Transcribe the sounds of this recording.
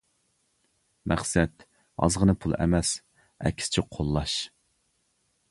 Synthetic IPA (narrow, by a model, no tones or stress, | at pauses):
mʔæχsɛt̪ | ɑ̰zʁənɨpʰulˠɛ̰mɛs | ɛ̰kʲʰːsɪ̥t͡ʃʰiqʰolˠːɑʃ